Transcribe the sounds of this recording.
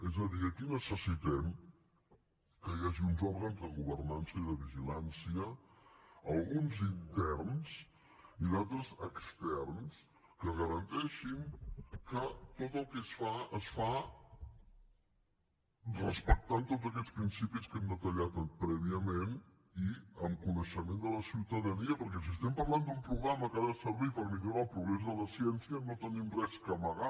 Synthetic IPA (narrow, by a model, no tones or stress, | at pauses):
ezəðiəkinəsəsit̪ɛm | kəiaʒiunzɔɾɣənzd̪əɣuβərnansəiðəβiʒilansiə | əlˠɣunzint̪ɛrns | iðat̪ɾəzəkst̪ɛrns | kəɣəɾənt̪ɛʃinkət̪ot̪əlˠkɛsfaəsfa | rəspək̚t̪ant̪odzəkɛt͡spɾinsipiskɛmd̪ət̪əʎat̪əpɾɛβiəmen | iəmkunəʃəmend̪ələsiwt̪əðəniəpəɾk̬ɛs̬iəst̪ɛmpəɾlˠand̪umpɾuɣɾaməkaðəsəɾβipəɾmiðuɾalˠpɾuɣɾezðələsiɛnsiənot̪ənimrɛskəməɣa